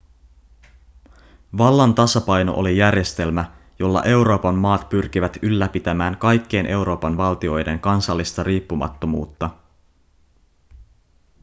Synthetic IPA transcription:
ʋɑlːɑnt̪ɑsɑpɑjno̞̰ʔolijærje̞st̪e̞lmæ | jo̞lːɑ̰ʔe̞wɾo̞ːpɑmːɑːt̪pyrk̟iʋæt̪ylːæpit̪æmæːŋkɑjkːejnʔe̞uwɾo̞ːpɑnʋɑlt̪io̞jde̞ŋkɑnsɑlːist̪ɑɾiːpːumɑ̰t̪ːo̞muːt̪ːɑ

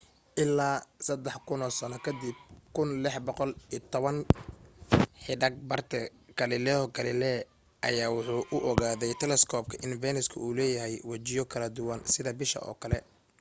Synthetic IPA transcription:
ʔɪlːaːsɐd̪ɛħkʰʊnɔːsɐnɔkʰɐd̪ib̚kʰʊnlɪħbɔqɔlit̪ʰɔβɐn | ħɪɖɐɡ̚bɐrt̪ʰɛɡɐlɪlɛhɔɡɐlɪlɛ | ʔɐjaːwʊħuːʔʊʔɔɣaːðɛjt̪ʰɛlɛskʰɔːb̚kʰɐʔɪnvɛːnɪskʰʊ̰uːlɛːjɐɦɛjwɐt͡ʃɪjɔkʰɐlɐd̪ʊwɐnsɪðɐbɪʃɐ̰ʔɔ̰ːkʰɐlɛ

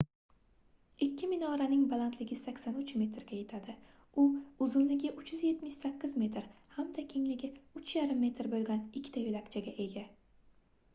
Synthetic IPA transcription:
ɪkʲʰːɪmɪnɒɾanɪŋbalˠant̪lɪɡʲɪsakʲsanʊt͡ʃme̞t̪ɾɡʲaje̞t̪ʰad̪ɪ | ʊʊzʊnlɪɡʲɪʔʊt͡ʃjʏzje̞t̪mɪʃsakʲːɪzme̞t̪ɾhamd̪akʲʰe̞ŋlɪɡʲɪʊt͡ʃjaɾɪmːe̞t̪ɾbolˠɡʲanɪkʲʰːɪ̥t̪ʰajolakʲt͡ʃʰaɡʲaʔe̞ɡʲa

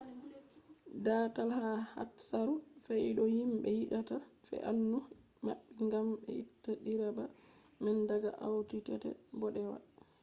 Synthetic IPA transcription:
datalhaha̰tsaɾufɛjɗɔhimɓɛjiɗatafɛ̰ʔanːu | ma̰ɓːiŋɡamɓɛ̰itːaɗiɾaba | mɛndaɡa̰ʔawtitɛtɛ̰bɔɗɛwa̰

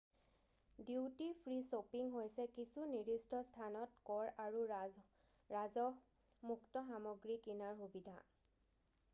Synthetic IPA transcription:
diwtipʰɹisopiŋɦojsɛkisuniɹistɔstʰanɔtkɔɹaɹu | ɹazɔ | muktɔxamɔɡɹikinaɹxubidʱa̰

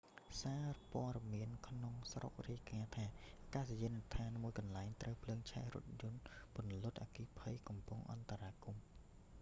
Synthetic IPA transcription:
saːrpoəɾɑmiənkʰnoŋsro̰k̚riəkaːt̪ʰaːʔkaːsjiənɨt̪ʰaːnmuəjkɑnlaɛŋt̪rəwpʰləːŋt͡ɕʰa̰rʊ̰̆ət̪̚jʊ̆ənpŏənlʊ̆ət̪̚ʔa̰ːkiːpʰəjkɑmpʊŋʔɑ̰nt̪aɾaːkum

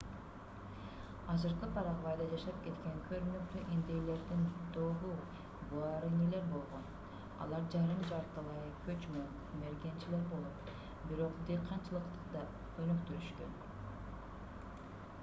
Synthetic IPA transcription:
ɑzɯɾqɯpʰɑɾɑʁβɑjd̪ɑd͡ʒɑʃɑp̚ke̞t̪kʲe̞ŋkʰøɾynykt̪yʔind̪ejle̞ɾd̪ind̪oʁu | buɑɾɯnele̞ɾbo̞lˠʁo̞n | ɑ̰lˠɑɾd͡ʒɑɾɯmd͡ʒɑɾt̪ːɑlˠɑjɯkʰøt͡ʃmo | me̞ɾɡe̞nt͡ʃile̞ɾbo̞lˠo̞t̪ | biɾo̞qd̪eqʰɑnt͡ʃɯlˠɯqt̪ɯ̥qd̪ɑ | qʰojnukt̪yɾyʃkø̰n

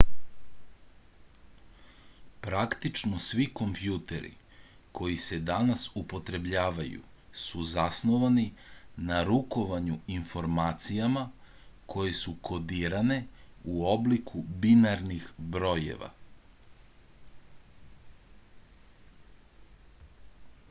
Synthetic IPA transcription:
pɾakt̪it͡ʃnosʋiko̞mpjuːt̪e̞ɾḭ | kʰo̞jise̞d̪anasupo̞t̪ɾe̞bʎaːʋajṵ | suzasnoʋaninaɾuko̞ʋaɲuinfo̞ɾmaːt̪sijama | kʰo̞je̞sukʰo̞d̪iːɾane̞uo̞blikʰubinaɾnixbɾo̞jḛʋa̰

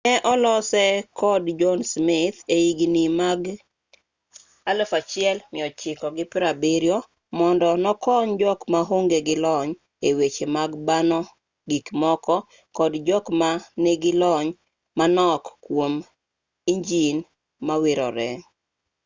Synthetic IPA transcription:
nɛʔɔlɔsɛkʰɔdd͡ʒɔnsmɪt̪eiɡinimaɡ | alfat͡ʃɪɛlmɪɔt͡ʃɪkɔɡɪpɾabiɾjɔ | mɔndɔnɔkɔɲd͡ʒɔkmaɦoŋɡeɡɪlɔɲ | ewet͡ʃemaɡbanɔ | ɡikmɔkɔ | kɔdd͡ʒɔkmaneɡɪlɔɲ | manɔkːwom | iɲd͡ʒin | mawɪɾɔ̰ɾɛ

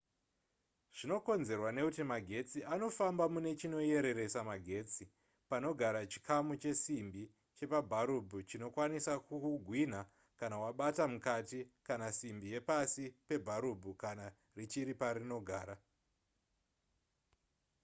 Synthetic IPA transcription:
ʐ̥ino̞ko̞nze̞rwane̞kutimaɡʱe̞t͡siʔano̞fambamune̞t͡ʃino̞je̞ɾe̞ɾe̞samaɡʱe̞t͡si | pano̞ɡʱaɾat͡ʃi̥kʰamut͡ʃe̞simbi | t͡ʃe̞pabʱaɾubʱut͡ʃino̞kwanisakuuɡʱwin̤a | kanawaɓatamukatikanasimbije̞pasipe̞bʱaɾubʱukana | rit͡ʃiɾipaɾino̞ɡʱaːɾa

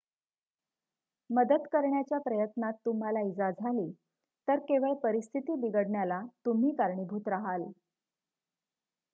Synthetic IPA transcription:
məd̪əd̪kəɾɳjat͡ɕjapɾəjət̪nat̪ːum̤alaid͡zad͡zʱaliː | t̪əɾkeʋəɭpəɾist̪ʰit̪iːb̪iɡəɽɳjalat̪um̤iːkaɾɳibʱuːt̪ɾaɦal

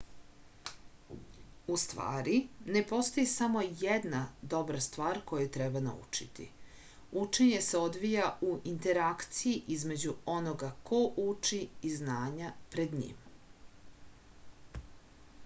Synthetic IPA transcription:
ust̪ʋa̰ːɾine̞po̞st̪ojisamo̞jed̪nad̪o̞bɾast̪ʋaːɾko̞jut̪ɾebana̰ṵt͡ʂit̪ḭ | ut͡ʃe̞ɲe̞se̞o̞d̪ʋijauʔint̪e̞ɾakt̪sijiʔizme̞d͡ʑuo̞noɡako̞ʔut͡ʂiiznaːɲapɾe̞d̪ɲḭːm

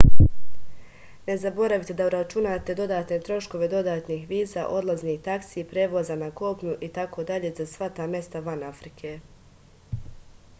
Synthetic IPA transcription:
ne̞zabo̞ɾaʋit̪ed̪auɾat͡ʃunaːt̪e̞d̪o̞d̪aːt̪ne̞t̪ɾo̞ʃko̞ʋe̞d̪o̞d̪aːt̪niːxʋiːza̰ʔo̞d̪lˠazniht̪aksipɾeːʋozanako̞pɲuʔit̪akʰo̞d̪aʎe̞zasʋat̪amje̞st̪aʋanafɾikʰe̞

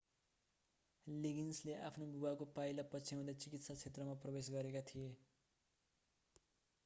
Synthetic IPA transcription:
liɡinsleʔa̰pʰnobuwakopajlʌpʌt͡sʰijaw̃d̪at͡sikit̪sat͡sʰet̪rʌmaprʌbesɡʌɾekat̪ʰije

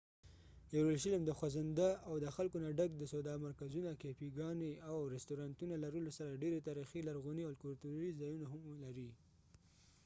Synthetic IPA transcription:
ewɾolʃilmd̪əxwazand̪aʔawd̪əxalkonaɖak̚d̪əsod̪ɑmaɾkazunakepiɡɑneawɾɪst̪oɾɑnt̪unalaɾəlosaɾaɖeɾet̪ɑɾixilaɾɣuniawlkʊlt̪uɾizɑjunaɦamlaɾi

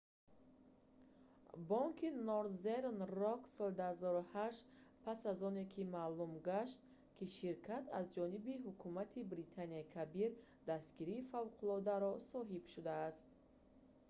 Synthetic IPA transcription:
bɔŋkʰinɔɾzeɾnrɔksɔld̪uhazɔɾuhaʃt̪pʰasazɔnekʰimaːlumɡaʃt̪ | kʰiʃiɾkʰat̪ʰazd͡ʒɔnibiɦukʰumat̪ʰibɾit̪ʰaniaikʰabiɾ | d̪ast̪ɡiɾiːfavqʰulɔd̪aɾɔsɔɦibʃud̪aːst̪̚

